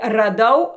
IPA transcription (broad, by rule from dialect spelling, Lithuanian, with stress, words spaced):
rɐˈdɐʊ